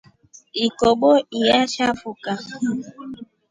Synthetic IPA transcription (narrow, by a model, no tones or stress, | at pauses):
ikoɡ͡boijat͡ʃafʊka